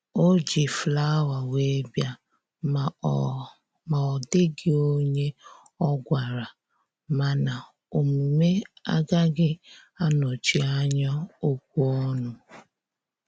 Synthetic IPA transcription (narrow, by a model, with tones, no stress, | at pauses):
o˦d͡ʒi˨fla˦wa˨we˦bja˦˨ | ma˨ɔ˨dɪ˦ɡɪ˦o˦ɲe˦ | ɔ˦ɡʷa˨ɾa˨ | ma˨na˨ | o˨mu˨me˦a˦ɡa˦ɡɪ˦a˦no˨t͡ʃi˦a˦ɲɔ˦o˦kʷu˦ɔ˦nʊ˨